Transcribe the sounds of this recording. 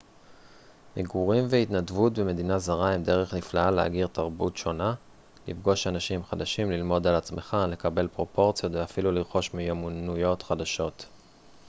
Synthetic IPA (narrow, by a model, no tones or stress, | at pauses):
meɡuʁimveitnadvutbeme̞d̪inazaʁaemde̞ʁeχliflaalea̰ɡiʁt̪aʁbutʃo̞na | lifɡo̞ʃanaʃimχad̪aʃimlilmo̞dalat͡smeχale̞kabe̞lpʁo̞po̞ʁt͡sjo̞tveafiluliʁχo̞ʃmijomunujo̞tχad̪aʃo̞t